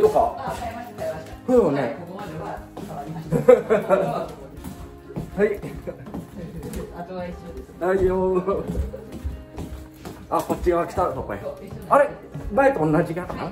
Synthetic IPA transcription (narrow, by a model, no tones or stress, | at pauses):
d̪oka | hɯone | hai | d̪aijoː | akot͡ɕːiɡaakʲi̥t̪at̪okoeaɾeɯmaet̪oõnːad͡ʑikʲakana̰